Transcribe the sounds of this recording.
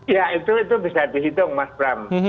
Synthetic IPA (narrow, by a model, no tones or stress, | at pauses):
jait̪uit̪ubisad̪iɦit̪ʊŋmaspɾam